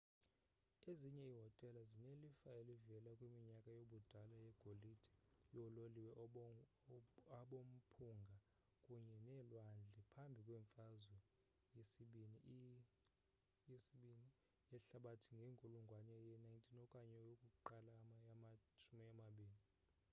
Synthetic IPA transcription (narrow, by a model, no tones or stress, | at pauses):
eziɲɛiɦɔtʼɛlazinelifaelivɛlakʼwimiɲakʼajoɓud̥ʱalajɛɡ̥ʱolid̥ʱi̥jɔloliwɛ | aɓom̩pʰuŋɡʱa | kʼuɲɛnɛlwand͡ɮʱɛpʰambʱikʼwɛɱfazwɛ | jesiɓini | jesiɓini | jɛɬaɓatʰiŋɡʱeŋkʼuluŋɡʱwanɛjɛnajntʰinɔkʼaɲɛjokʼuǃalamaamat͡ʃʰumiamaɓiːni